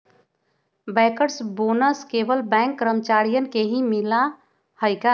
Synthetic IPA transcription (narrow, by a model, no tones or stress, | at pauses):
bɛ̃kəɾsbonəskebəlbɛ̃ŋkːɾəmt͡ʃaɾijənkeɦĩmila | həjka